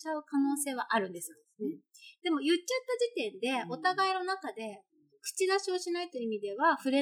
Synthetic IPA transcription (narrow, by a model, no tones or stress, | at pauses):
t͡ɕaɯ̟kano̞ːse̞ːβaʔaɾɯ̟̃nd̪e̞sɨ | d̪̥e̞mo̞jɯ̟t͡ɕːat̪ːad͡ʑit̪ẽ̞nd̪e̞o̞t̪aɡaino̞nakad̪e̞ | kɯ̥t͡ɕid̪aɕio̞ɕinait̪o̞imʲid̪e̞βaɸɯ̟ɾe̞